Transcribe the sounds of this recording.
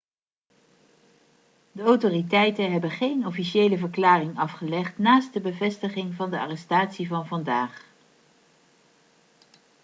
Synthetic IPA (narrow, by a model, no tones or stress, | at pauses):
dəowtoːritɛjtənɦɛbəχejnɔfiʃejləvəɹklaːrɪŋɑfχəlɛχtnaːst̚dəbəvɛstəχɪŋvɑndəa̰ːrɛstaːtsivɑnvɑndaːχ